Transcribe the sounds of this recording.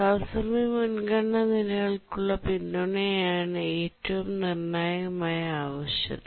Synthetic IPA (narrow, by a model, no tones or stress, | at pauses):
ɐʋsɐmimunɡɐɳːɐnilɐɣɐɭkuɭːɐpindoɳejaːɳɨe̞ːtːɐʋumnirnaːjɐɣɐmaːjɐaːʋɐɕjɐ̰ðɨ